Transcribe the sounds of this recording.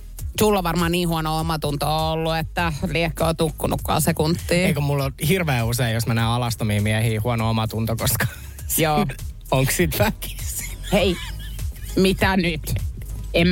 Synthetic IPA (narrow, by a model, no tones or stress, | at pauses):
sulːoʋʋɑrmɑːnniːhuɑnoomɑt̪unt̪oolːuet̪ːæliehkːøot̪ukːunṵkːɑ̰ːsekunt̪ːiːeikomulːohirʋeːuseijosmænæːɑlɑst̪omiːmiæhiːhuɔnoomɑt̪unt̪okoskɑ̥ | joː | oŋkssit̪fæki̥sei | mit̪ænyt̪em